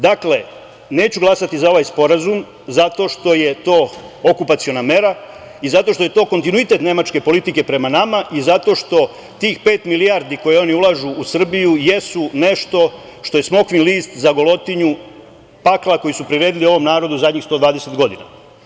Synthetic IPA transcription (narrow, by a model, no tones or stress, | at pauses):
d̪akle̞ | ne̞ːt͡ɕuɡlˠasat̪izao̞ʋajspo̞ɾazum | zat̪o̞ʃt̪o̞je̞t̪o̞ːokupat̪sio̞name̞ɾa | izat̪o̞ʃt̪ojt̪o̞ːko̞nt̪inuit̪e̞t̪ne̞mat͡ʃke̞po̞lit̪ike̞pɾe̞manamaʔizat̪o̞ʃt̪o̞ | t̪iːxpe̞ːt̪milijaɾd̪iko̞jeo̞niulˠaʒuːsr̩bijuje̞sune̞ʃt̪o̞ | ʃt̪o̞je̞smo̞kʋinliːst̪zaɡo̞lo̞t̪iɲu | paklˠako̞jisupɾiɾe̞ːd̪ilio̞ʋo̞mnaːɾo̞d̪uzad̪ɲixst̪o̞ːd̪ʋaːd̪ese̞t̪ɡo̞d̪ina̰